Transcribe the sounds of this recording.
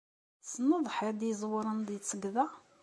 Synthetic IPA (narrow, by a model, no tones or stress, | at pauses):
sənːəðˤħɪɾd̪jzˤwəɾˤənd̪it͡sːəɡðæ